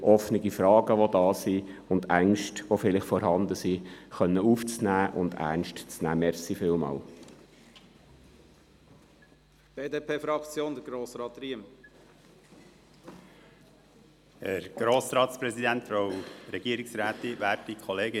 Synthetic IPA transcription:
ʔɔfnɪɡifɾɑːɡ̥əʋodɑːsiʊnd̪æŋʃtʋofɪlɪχfɔɾɦɑnd̪əsiχœnːəuːft͡snæːʔʊ̰nd̪æ̰nʃtt͡snæ̰ːmɛɾsifɪːlmɑ̰ːl | b̥eːdeːpʰeːfɾɑkt͡sjoːnd̪əɡɾoːsɾɑːt̪ɾiəm | hɛɾɡ̥ɾoːsɾɑːtspɾɛzid̪æntfɾowɾɛɡ̥iəɾɪksɾæːt̪iʋæːɾtikʰɔleːɡɪ

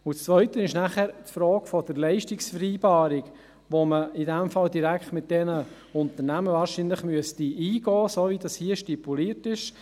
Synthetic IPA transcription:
ʊt͡st͡sʋœʏtənɪʃnæχæɾtfɾɔːɡ̥fɔd̥əɾlɛɪʃtɪksfəɾiːbɑːɾɪk | ʋoməɪdɛmfɑldiɾækχtmɪt̚d̥ɛnə | ʊnt̪əɾnæməvɑːɾʃinlɪχmyəstiiːɡɔːsoːvidɑshiəʃtipuliətɪʃ

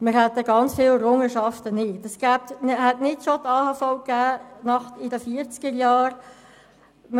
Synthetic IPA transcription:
mɪɾhɛt̪ːəɡɑnt͡sfɪːləɾʊŋəʃɑft̪ənɪtəsɡ̥æːp̚tnɦɛtnɪtʃot̪ɑːhɑːfaʊkæːnɑχtɪdəfiəɾt͡skəɾjɑːɾ | m

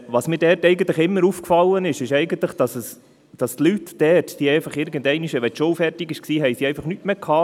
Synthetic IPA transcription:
ʋɑsmiːɾdɛɾtɛɪɡənt̪ləχɪmːəɾufkfɑlːənɪʃɪʃɛɪɡənt̪ləχd̥ɑsəs | d̥ɑst̪lytd̥ɛtd̥iːɛɪfɑχɪɾɡ̥əndɛɪniʃəʋɛʃowfɛɾtiɡɪʃksiːɦɛjsiɛɪfɑχnytmekʰɑː

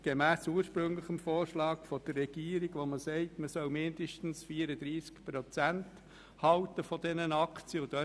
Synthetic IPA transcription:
ɡ̥emæːsuːəɾʃpɾɵŋləχəmfoːɾʃlɑːkfɔd̥ərːɛɡ̥iːəɾiɡʋoməsɛɪtməsœlmɪndəʃtn̩sfiːəɾəd̪ɾiːskpɾɔt͡sænt | hɑʊtəfɔd̥ɛnənɑkt͡sjəʊd̥̪œ

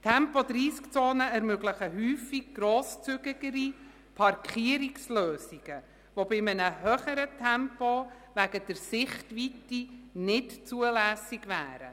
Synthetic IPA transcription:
tʰɛmpɔd̥ɾiːskt͡soːnəɛɾmøɡləχəɦyːfiɡ̚ɡ̥ɾoːst͡sʏɡəɡ̥əɾi | pʰɑɾkχiəɾiksløːsiɡ̥ə | vobɪmənəɦœχəɾətʰɛmpo | væɡəd̥əɾsɪχtʋitinɪtt͡suəlæːsɪɡvæ̰ːɾə̰

